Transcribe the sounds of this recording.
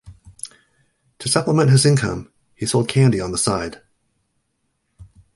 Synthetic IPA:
tʰəsʌpləmɛ̃nʔɦɨzɪ̃nkʰʌ̰̃m | isoʊlˠd̚kʰæ̃ndiə̃nðəsaɪd̥

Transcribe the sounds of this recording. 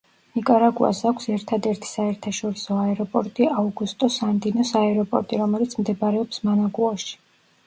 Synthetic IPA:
nikʼaɾaɡua̰sakʰʷsɛɾt̪ʰad̪ɛɾt̪ʰi̥saɛɾt̪ʰaʃɔɾisɔaɛɾɔpʼɔɾt̪ʼiauɡust̪ʼɔsamd̪inɔsaɛɾɔpʼɔ̰ɾt̪ʼiɾɔmɛlit̪sʰmd̪ɛbaɾɛɔpsmanaɡuaʃi̥

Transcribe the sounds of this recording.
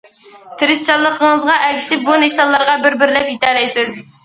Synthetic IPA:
t̪ʰɪɾɪst͡ʃʰɑlˠːəqʰəŋəzʁɑʔɛkʲʰiʃɪp̚buneʃɑnlˠɑɾʁɑbɪɾbɪɾlɛpjit̪ʰɛlɛjsɪz

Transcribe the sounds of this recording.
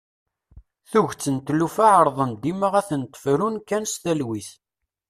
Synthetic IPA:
θuʝt͡sːənt̪lufaʕəɾˤðˤənd̪iməʁæθənt̪ˤːə̥fɾunkːænst̪ælwiθ

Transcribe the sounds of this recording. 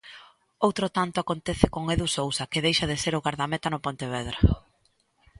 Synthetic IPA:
owt̪ɾot̪ant̪ʊakont̪ɛθɪkoŋeðusowsɐkɪðejʃɐðeseɾʊɣaɾðamɛt̪ɐnʊpont̪eβɛðɾa

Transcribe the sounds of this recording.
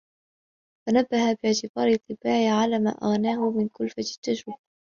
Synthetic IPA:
fanabːahabɪʕt̪ɪbɑːɾɨt̪ˤːɨbaːʕɪʕalaːma̰ːʔa̰ɣnaːhʊmɪnkʊlfat̪ɪ̥t̪ːaʃʊb

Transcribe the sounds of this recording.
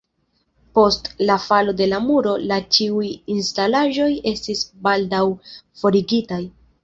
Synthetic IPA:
po̞stlafalo̞de̞lamuɾo̞lat͡ʃiujinstalaʒo̞je̞stisbaldawfo̞ɾiɡitaj

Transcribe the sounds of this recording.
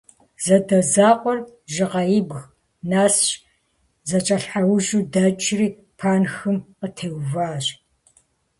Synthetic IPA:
zɐdɐzaːqʷʼɔrʒɪqɐjɪbɣ | naːsɕ | zɐt͡ʃʼɐɬħawʒuːdɐt͡ʃʼriː | pʰaːnxɨmqətʰewvaːɕʼ

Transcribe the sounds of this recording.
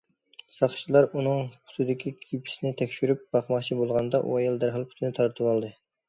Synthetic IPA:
sɑχʃilˠɑɾunɨŋpʰʊ̥sɨd̪ɪkʲʰikʲʰipʰi̥sɪnɪt̪ʰɛkʲʃyɾyp̚b̥ɑχmɑχt͡ʃʰibolˠʁɑnd̪ɑʔṵɛjɑlˠd̪æɾɦɑlˠpʰʊ̥t̪ʰɪnɪt̪ʰɑɾt̪ʰɨwɑlˠd̪ɨ

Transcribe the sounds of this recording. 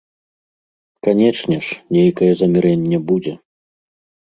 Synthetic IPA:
kanʲɛt͡ʂnʲɛʂnʲejkɐjɛzɐmʲiɾɛnʲːɛbud͡zʲɛ

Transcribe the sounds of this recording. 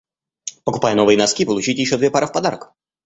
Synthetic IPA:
pəkʊ̥pajəno̞vɨjənɐskʲipəlˠʊt͡ɕitʲjɪɕːod̪vʲepaɾəfpɐd̪aɾək

